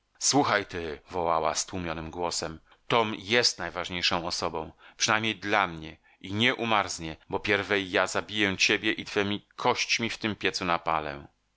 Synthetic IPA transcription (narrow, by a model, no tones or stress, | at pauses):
swuxajt̪ɘvɔwawa̰st̪wumʲjɔnɘmɡwɔsɛm | t̪ɔmjɛst̪najvaʐɲejʂɔ̃w̃ɔsɔbɔ̃w̃pʂɨnajmɲejd̪lamɲɛ | ʔiɲɛʔumaɾzɲɛbɔpʲjɛɾvɛjːazabʲijɛt͡ɕebʲjɛʔit̪fɛmʲikʰɔɕt͡ɕmʲift̪ɘmpʲjɛt̪sunapalɛ̰